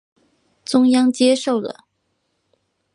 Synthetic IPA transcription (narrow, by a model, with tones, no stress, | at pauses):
t͡sʊ˥ŋjɑ˥ŋt͡ɕjɛ˥ʂo˥˩ʊlə̰˩